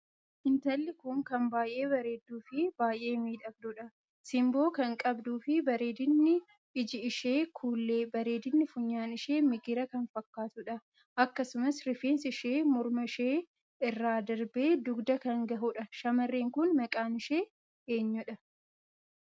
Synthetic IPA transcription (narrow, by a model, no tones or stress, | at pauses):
ʔɪnt̪ɐlːɪkʊŋkɐmbaːjʔe̞ːbɐɾe̞ːd̪ːuːfɪbaːjʔe̞ːmiːᶑ̪ɐfd̪ʊᶑɐ | sɪmbo̞ːkɐŋkʼɐbd̪uːfɪbɐɾe̞ːd̪ɪnːɪ | ɪd͡ʒɪɪʃeːkʰuːlːeːbɐɾe̞ːd̪ɪnːɪfʊɲːaːnɪʃeːmɪɡɪɾɐkɐnfɐkːaːt̪ʊᶑɐ | ʔɐkːɐsʊmɐsɾɪfeːnsɪʃeːmɔɾmɐʃeː | ɪrːaːd̪ɐɾbe̞ːd̪ʊɡd̪ɐkɐŋɡɐɦʊᶑɐʃɐmɐrːeːŋkʊnmɐkʼaːnɪʃe̞ː | e̞ːɲːʊᶑɐ